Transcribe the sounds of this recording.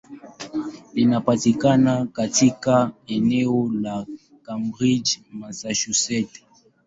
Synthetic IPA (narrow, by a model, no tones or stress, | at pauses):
linapatikanakatikaɛnɛɔla | kambʁid͡ʒmasaʃusɛt